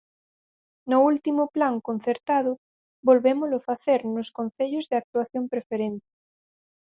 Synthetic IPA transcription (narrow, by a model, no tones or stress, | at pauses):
nʊult̪imʊplaŋkon̟θeɾt̪aðʊ | bolβemʊlʊfaθeɾnoskon̟θeʎʊzðeak̚t̪uwaθjõmpɾefeɾent̪ɪ̥